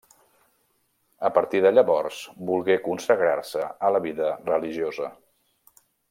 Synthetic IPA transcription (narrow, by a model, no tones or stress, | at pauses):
əpəɾt̪iðəʎəβɔrsbulˠɣekunsəɣɾa̰rsəələβiðərəliʒiozə